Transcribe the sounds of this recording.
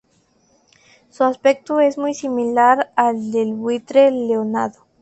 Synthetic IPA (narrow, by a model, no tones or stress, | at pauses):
suaspe̞k̚t̪ue̞zmujsimilaɾald̪elβwit̪ɾeleona̰ðo